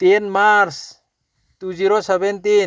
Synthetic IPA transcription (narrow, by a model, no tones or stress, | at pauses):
t̪inmaɾs | t̪ud͡ʒiɾosəbɛnt̪i